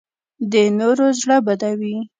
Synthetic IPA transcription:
d̪ənoɾozɽəbad̪awi

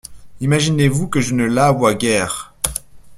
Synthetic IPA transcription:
imaʒinevukəʒənəlavwaɡʲɛːʁ

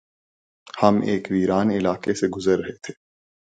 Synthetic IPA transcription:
hɐmeːkʋiːɾaːnɪlaːkeseɡʊzəɾːɐɦet̪ʰe̥ː

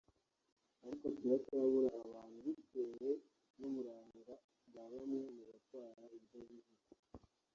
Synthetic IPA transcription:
aɾikotwiβatuaβuɾaʔːβaːn̥huβiteɾe | nomuɾaːŋɡa | ɡaβamŋe̞muβatwaːɾaiɾjoβiɦu

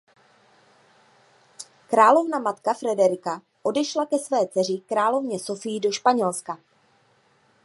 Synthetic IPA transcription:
kɾaːlo̞vnamat̪kafɾɛdɛɾɪka | ʔo̞dɛʃlakɛsvɛːt͡sɛr̝ɪkɾaːlo̞vɲɛso̞fɪjido̞ʃpaɲɛlska

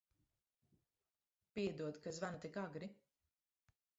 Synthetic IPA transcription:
piɛd̪uɔt̪kazvanut̪ikaɡɾi

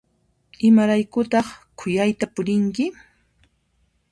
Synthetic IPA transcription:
ɪmaɾajkʊt̪ɑχkʰʊjajt̪apʊɾɪŋkɪ

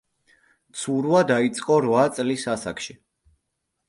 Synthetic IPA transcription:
t̪sʰuɾvad̪ait̪sʼqʼɔɾvat̪sʼlisasa̰kʃi

